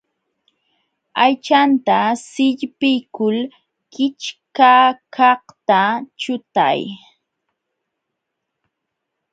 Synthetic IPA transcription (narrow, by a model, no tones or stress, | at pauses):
ajt͡ʃant̪asɪʎpɪjkʊl | kɪt͡ʃkakʰɑht̪at͡ʃʊt̪a̰j